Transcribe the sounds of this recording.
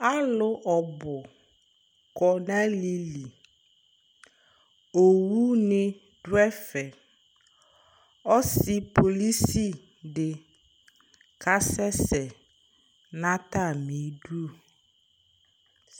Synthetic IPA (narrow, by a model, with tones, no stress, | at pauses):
a˦lʊ˨ʔɔ˨bʊ˨ | kɔ˨nã˦li˦li˨ | o˨wu˦nɪ̃˦ | ɖwɛ˦fɛ˨ | ɔ˦si˦po˨li˦si˦ | ɖe˨ | ka˦sɛ˦sɛ˨ | nã˦t̪a˦˨mĩ˨˦ɖu˦˨